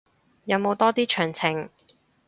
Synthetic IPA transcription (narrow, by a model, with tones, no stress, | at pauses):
jɐ˨˧wmo˨˧wt̪ɔː˥t̪iː˥t͡ʃʰœː˨˩ŋt͡sʰɪ˨˩ŋ